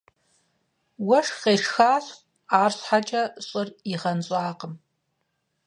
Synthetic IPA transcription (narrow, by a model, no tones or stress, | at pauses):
wɐʂqeːʂxaːɬ | aːrɕħat͡ʃʼɐɕʼɨriʁɐnɕʼaːqəm